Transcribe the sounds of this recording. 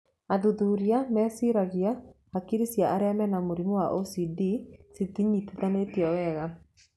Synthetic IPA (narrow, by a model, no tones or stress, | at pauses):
aðuðuːɾiamɛːsiɾaɣia | akiɾisjaʔaɾeamɛnamoɾimowaʔosidisitiɲituðanetiɛɛɣa